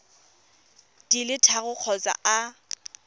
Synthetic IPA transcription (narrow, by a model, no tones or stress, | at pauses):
dilɪtʰaɣʊq͡χʰɔt͡sʼa̰ʔa